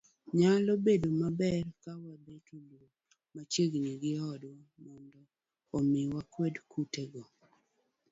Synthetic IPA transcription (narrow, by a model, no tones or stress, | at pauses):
ɲalobedomabɛrkawabetulo | mat͡ʃeɡɲiɡɪɔdwɔmɔndɔː | mɪwakwɛdkuteɡɔ